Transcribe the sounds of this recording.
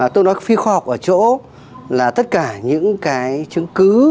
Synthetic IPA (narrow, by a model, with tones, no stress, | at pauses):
t̪o˧jnɔ˨˦fi˧xwaː˧hɔ˨˩wk͡p̚ʔəː˧˩t͡ɕo̰˧˥ | laː˨˩t̪ə˦˥t̚kaː˧˩ɲɨ̰˧˥ŋkaː˨˦jt͡ɕɨ˨˦ŋkɨ˨˦